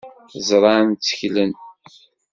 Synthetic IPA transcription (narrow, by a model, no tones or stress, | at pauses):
zˤɾˤɑnt͡sːə̥çlən